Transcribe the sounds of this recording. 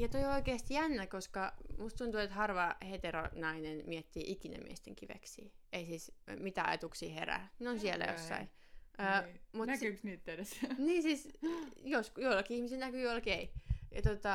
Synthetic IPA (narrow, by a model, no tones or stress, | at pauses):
jɑt̪oioikeːst̪jænːækoskɑmust̪unt̪uet̪hɑrʋɑhet̪ero̰nɑinenmiet̪ːiːʔikinḛmḭest̪eŋkiʋḛksḭːeisiːsmit̪æɑ̰jɑ̰t̪uksiːhḛræ̰neonsielæ̰jo̰sːɑ̰i | əːmutnækyksniːt̪t̪edesniːsiːˑsjoskjolɑkiihmiselnækyolkeijɑt̪ot̪ɑ